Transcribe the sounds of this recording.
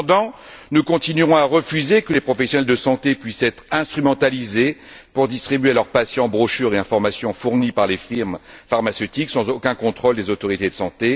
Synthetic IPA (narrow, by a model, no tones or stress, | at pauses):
d̪ɑ̃nukɔ̃t̪inyʁɔ̃aʁəfyzekəlepχɔfɛsjɔnɛld̪əsɑ̃t̪epɥisɛt̪χɛ̃st̪χymɑ̃t̪alizepuʁd̪ist̪χibɥelœʁpasjɑ̃bʁoʃyʁeɛ̃fɔʁmasjɔ̃fuʁnipaʁlefiʁmfaʁmasøt̪iksɑ̃zokʲɛ̃kɔ̃t̪χold̪ezot̪ɔʁit̪ed̪əsɑ̃t̪e